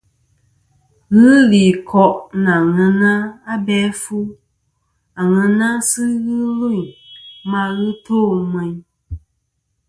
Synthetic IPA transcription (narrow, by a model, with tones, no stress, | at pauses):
ɣɨ˦li˨kʰɔ˦ʔna˨ŋɛ̃˧nã˦a˦bɛ˦fu˦ | a˨ŋɛ˧na˦sɨ˦ɣɨ˦lu˦˨mã˧˦ɣɨ˦to˦˨mɛ˨˧ɲ˦